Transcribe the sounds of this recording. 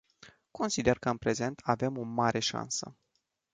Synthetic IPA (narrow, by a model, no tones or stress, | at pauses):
ko̞nsid̪e̞rkəɨnpɾe̞ze̞nt̪ʰave̞mo̞maɾʔe̞ʃa̰nsə̰